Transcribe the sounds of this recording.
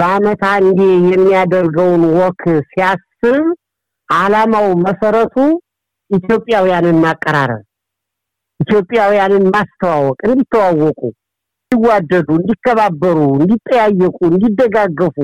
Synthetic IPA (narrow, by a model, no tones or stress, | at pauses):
bəamət̪ʰaɨnd̪ejɛmːijad̪əɾɡəwnwɔkʰsijasːɨβ | ʔalamawməsəɾət̪ʰu | ʔit̪jo̞pʼːjawijanɨnmakʼːəɾa̰ɾə̰l | ʔit̪jo̞pʼːjawijanɨnmast̪ʰəwawɔkʼɨnd̪it̪ʰːəwawɔkʼu | ɨnd̪iwːad̪ːəd̪uɨnd̪ikːəβabːəɾuɨnd̪it̪ʼːəjajːəkʼuɨnd̪id̪ːəɡaɡːəfu